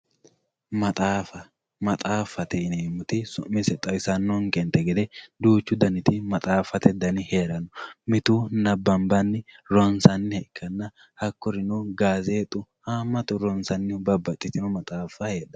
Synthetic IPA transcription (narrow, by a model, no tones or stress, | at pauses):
mɐt̪ʼaːfɐ | mɐt̪ʼaːfːɐt̪ɛɪneːmːʊt̪ɪsʊʔmːɪsɛt̪ʼɐwɪsɐnːɔŋkɛnt̪ɛɡɛd̪ɛd̪uːt͡ʃːʊd̪ɐnɪt̪ɪmɐt̪ʼaːfːɐt̪ɛd̪ɐnɪheːɾɐnɔmɪt̪uːnɐbːɐmbɐnːɪɾɔnsɐnːɪhɛkʰːɐnːɐ | hɐkːɔɾɪnɔɡaːzeːt̪ʼʊhaːmːɐt̪ʊɾɔnsɐnːɪbɐbːɐt̪ʼːɪt̪ɪnɔmɐt̪ʼaːfːɐheːᶑɐ